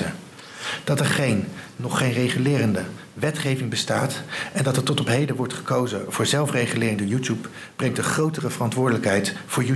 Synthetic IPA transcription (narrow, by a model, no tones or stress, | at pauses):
ə̰ | d̥ɑtɛɹχejnnɔχːejnrejχəlɪːrəndə | ʋɛtχejvɪŋbəstaːtɛndɑtətɔtɔpɦejdəʋɔɹtχə̥kowzəv̥ʊːɹzɛlˠfrejχəlɪːrəndəjutup | b̥rɛŋtdəχrowtərəvərɑntʋʊːɹdələkɦɛjtfʊːɹju